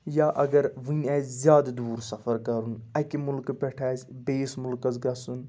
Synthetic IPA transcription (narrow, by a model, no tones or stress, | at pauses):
jaːʔɐɡɐɾʋɨnʲɛːzʲjaːd̪d̪uːɾsɐfʰɐɾkɐɾunɐkimulkpɛʈʰaːsʲbeːsmulkɐzɡɐsun